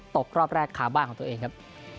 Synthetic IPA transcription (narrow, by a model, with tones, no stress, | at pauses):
t̪o˨˩k̚ɾɔː˥˩p̚ɾɛː˥˩kʰːaː˩˦wbaː˥˩kʰɔː˩˦t̪ːeː˧ŋkʰa˦˥p̚